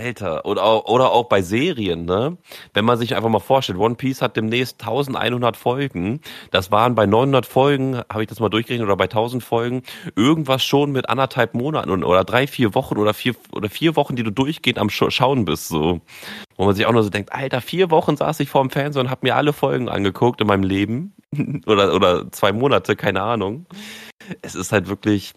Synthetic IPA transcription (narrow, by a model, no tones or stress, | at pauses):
ʔaltʰɐ̰ʔoːdaʊxʔoːɾɐʔaʊxb̥aɪzeːʁiənːəvɛnmanzɪçʔaɪnfaχmaːlfoːɐʃtɛltwɔnpʰiːshat̚d̥eːmnɛːçstʰːaʊzn̩tʔa̰ɪnhʊndɐtfɔlɡŋ̩d̥asv̥aːʁənbaɪnɔʏnhʊndɐtfɔlɡŋ̩hhaːbɪçd̥asmaːldʊɐçɡ̥əʁɛçnətoːdɐbaɪtʰaʊzn̩tfɔlɡŋ̩ʔɪɐɡŋ̩tv̥asʃoːnmɪtʔa̰ndɐthalpmoːna̰ʔn̩n̩ʔo̰ːɾɐdʁaɪfiːɐvɔχn̩ʔoːdɐfiːɐʔo̰ːdɐfiːɐvɔχn̩diːduːdʊɐçɡ̥eːənta̰mʃoʃaʊnbɪstz̥oːvoːmanzɪça̰ʊxnuɐzoːdɛŋk̚tʔa̰ltafiːɐvɔχn̩za̰ːsɪçfoːɐɪmfɛɐnzeːʊnthaːbəmiːɐʔa̰ləfɔlɡŋ̩ʔa̰nɡəkʰʊk̚tɪnmaɪnəmleːbm̩ | ʔoːɾɐʔoːdɐt͡sv̥aɪmoːnatʰəkʰaɪnəʔaːnʊŋ | ʔɛsɪsthaltv̥ɪɐklɪç